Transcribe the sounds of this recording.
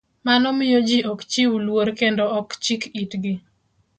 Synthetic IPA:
manɔmɪjod͡ʒiʔɔkt͡ʃiwulwoɾkendɔɔkt͡ʃikitɡɪ

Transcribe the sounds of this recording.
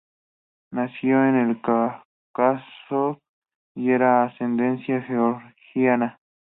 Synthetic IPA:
nasjoenelka | kaso | eɾaːsend̪ensjaxeoɾxianã

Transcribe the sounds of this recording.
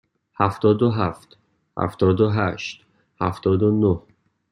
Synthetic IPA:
hæft̪ɒːd̪oɦæft̪ | hæ̰ft̪ɒːd̪oɦæʃt̪ | hæ̰ft̪ɒːd̪onoh

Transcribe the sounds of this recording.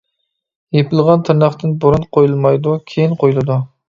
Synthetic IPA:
jepɪlˠʁɑnt̪ʰɨɾnɑχt̪ɨnboɾunqʰojulˠmɑjd̪ukʲʰejinqʰojulˠɨd̪u

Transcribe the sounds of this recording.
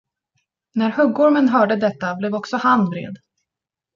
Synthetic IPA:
næɾhɵɡːɔɾmənɦœːɖəd̪ɛt̪ːablɛːvɔksɔhand̪vɾḛːd̪

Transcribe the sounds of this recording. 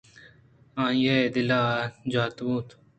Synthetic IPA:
ãːjed̪ɪlaːd͡ʑaːt̪buːt̪

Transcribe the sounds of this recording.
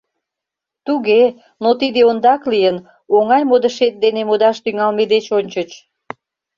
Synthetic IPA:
t̪uɣe | not̪id̪eond̪ɑklijən | oŋɑjmod̪əʃet̪̚d̪enemod̪ɑʃt̪yŋɑlmed̪et͡ɕonʲt͡ɕət͡ɕ

